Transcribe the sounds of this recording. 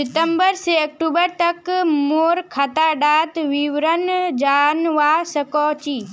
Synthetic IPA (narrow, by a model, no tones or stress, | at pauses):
ɪt̪əmbəɾseɐk̚ʈuːbəɾt̪ɐkmoːɾkʰat̪aːɖaːt̪ʋiʋɾənd͡ʒaːnʋaːsəkɔːt͡ʃiː